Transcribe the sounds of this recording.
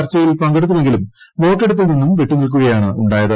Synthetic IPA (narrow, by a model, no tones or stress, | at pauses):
ɐrt͡ɕːɐjilpɐŋɡeɽut̪ːuʋe̞ŋɡilumʋo̞ːʈːeɽup̪̬ːilninːumʋe̞ʈːunilk̬uɣɐjaːɳɨuɳɖaːjɐðɨ